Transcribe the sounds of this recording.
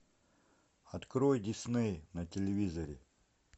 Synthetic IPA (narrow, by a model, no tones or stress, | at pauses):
ɐt̪kɾojdʲisnɛjnɐtʲelʲɪvʲizɐɾʲɪ